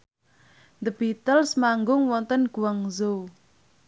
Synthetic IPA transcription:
nd̪əbit̪əlsmaŋɡʊŋwɔnt̪ənɡ̥uwaŋzo

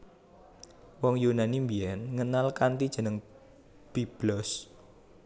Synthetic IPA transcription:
wɔŋjunanimbiɛnŋənalkant̪id̥ʒ̥ə̤nəŋ | b̥ib̥lɔs

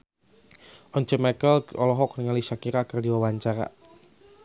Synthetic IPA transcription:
ʔɔɲt͡ʃəmɛkəlɔlɔɦɔk̚niŋaliʃakiɾakərdiwawaɲt͡ʃaɾa̰

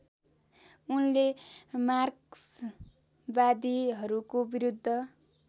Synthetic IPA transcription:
unlemarks | bad̪iɦʌɾukobiɾud̪ʱːʌ

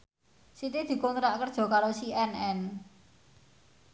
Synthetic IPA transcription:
sit̪id̪̥i̤kɔnt̪ɾaʔkərd̥ʒ̥ɔ̤kaɾosiɛnɛn

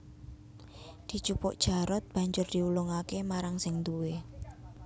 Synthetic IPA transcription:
d̪̥i̤t͡ʃupʊʔd̥ʒ̥a̤ɾɔt̪̚b̥a̤ɲd͡ʒʊrd̪̥i̤ulʊŋakemaɾaŋsɪŋd̪uwe

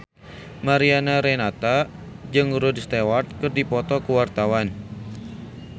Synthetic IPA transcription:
maɾianaɾenat̪ad͡ʒɨŋɾudst̪ewart̪̚kərdipɔt̪ɔkuwart̪awan

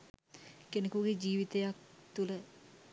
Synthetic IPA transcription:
kenekuɡed͡ʒiːʋit̪əjak̚t̪ulə

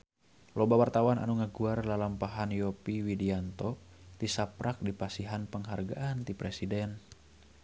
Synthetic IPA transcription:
lɔbawart̪awana̰nuŋəɡuarlalampaɦanjɔpiwidiant̪ɔt̪isapɾʔak̚dipasiɦanpəŋɦarɡa̰ʔant̪ipɾɛsidɛn

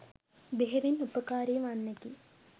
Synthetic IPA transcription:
beɦeʋinːupəkaːɾiːʋanːeki

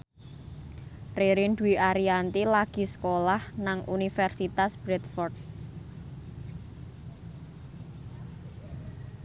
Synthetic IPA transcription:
reɾinɖuiʔaɾiant̪ilaɡ̥i̤sə̥kolahnaŋʔunifɛrsit̪asb̥ɾɛt̪fɔrd̪̚

